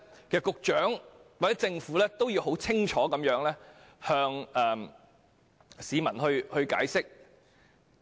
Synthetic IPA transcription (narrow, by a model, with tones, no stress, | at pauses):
kɛː˨kʊ˧k̚t͡ʃœː˨˥ŋwaː˨t͡sɛː˨˥t͡sɪ˧ŋfuː˨˥lɛː˥t̪o˥wjiː˧wɦo˨˥wt͡sʰɪ˥ŋt͡ʃʰɔː˨˥kɐ˨˥mjœː˨˥ŋlɛː˥ | hœː˧ŋɛː˨m | siː˨˧mɐ˨˩nhɵ˧ɥhɵ˧ɥka̰ː˨˥jsɪ˥k̚